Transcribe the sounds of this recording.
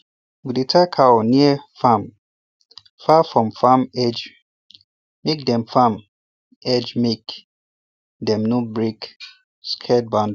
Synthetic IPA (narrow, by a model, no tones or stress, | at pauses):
widetʰakʰawɔniɛfam | fafɹɔ̃mfamɛd͡ʒ | mek̚dɛ̃mfam | ɛd͡ʒmek | dɛ̃mnobɹek | skʰɛt̚bãnd